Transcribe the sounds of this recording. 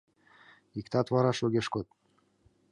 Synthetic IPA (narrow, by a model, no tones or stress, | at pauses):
ikt̪ɑt̪vɑɾɑʃoɣeʃkot̪̚